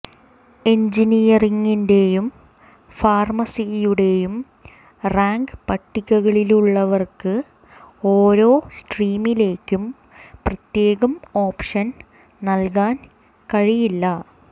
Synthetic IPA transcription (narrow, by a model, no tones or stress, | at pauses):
e̞ɲd͡ʑinijɐriŋːinde̞jum | faːrmɐsijuɽe̞jum | raːŋɡɨpɐʈːikʲːɐɣɐɭiluɭːɐʋɐrkɨ | o̞ːɾo̞ːsʈriːmile̞ːkːum | prɐt̪je̞ːɣɐmo̞ːpʂɐn | nɐlkaːn | kɐɻijilːɐ